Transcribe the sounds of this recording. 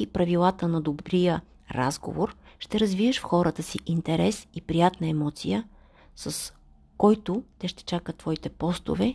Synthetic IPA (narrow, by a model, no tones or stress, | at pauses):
ipɾɐvilˠat̪ənɐd̪obɾijə | ɾa̰zɡo̰voɾʃt̪ɛɾɐzvivəʃfxɔɾət̪əsiʔint̪ɛɾɛsipɾijat̪nəɛmɔt̪sḭjə | səs | kɔjt̪ʊt̪ɛʃt̪ɛ̥t͡ʃakət̪ːvɔit̪ɛpɔst̪ʊ̰vɛ